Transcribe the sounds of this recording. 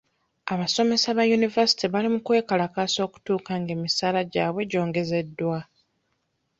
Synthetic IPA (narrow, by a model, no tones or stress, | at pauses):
aβaso̞me̞saβajunivasi̥tiβalimukwe̞ːkalakaso̞ːku̥tuːkaŋɡe̞ːmisaːlaɟaːβwe̞ɟo̞ːŋɡe̞ze̞dːwa